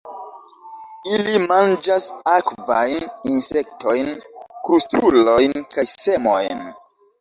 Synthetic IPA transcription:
ilimand͡ʒasakva̰jninsek̚to̞jnkɾustulo̞jnkajse̞mo̞̰jn

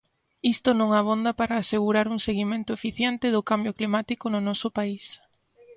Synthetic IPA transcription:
ist̪ʊnõŋaβond̪apaɾaːseɣuɾaɾuŋseɣimẽnt̪ʊefiθjent̪ɪðʊkambjoklimat̪ikonʊnɔsʊpais

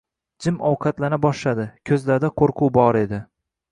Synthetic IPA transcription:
d͡ʒɪmɒwqʰɑt̪lanabɒʃlad̪ɪkʲʰɵzlaɾd̪aqʰoɾqʰuwbɒɾe̞d̪ɪ

